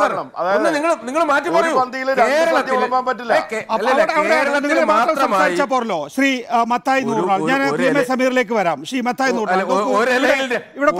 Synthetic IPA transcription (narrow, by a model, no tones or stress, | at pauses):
ɐɐɳɐmɐonːɨniŋːɐɭniŋːɐɭmaːtːɐmpɐuʋɐnd̪ijilɾaːɐɐt̪ːjɐɭɐmaːmpɐtːilːɐkeɐɐʋiɽeɐʋiɽeaːɐniŋːɐɭmaːrɐmsɐmsːaːɾit͡ɕːaːp̬ːoːrɐlo̞ːɕriːmɐt̪ʰːaːjinːuːʈnːaːɭɲaːnprijɐmesɐmiːrile̞ːk̬ːɨʋɐɾaːmɕriːmɐt̪ʰːaːjnːuːʈːanokːɨiʋiɽeiʋiɽe